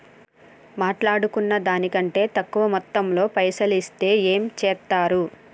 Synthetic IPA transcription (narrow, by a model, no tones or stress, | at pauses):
maːʈlaːɽukunːɐd̪aːnikɐɳʈe̞ːt̪ɐkːuʋɐmɔt̪ːɐmlo̞ːpɐjsɐlist̪e̞ːe̞ːmt͡ʃɛːt̪ːaːɾu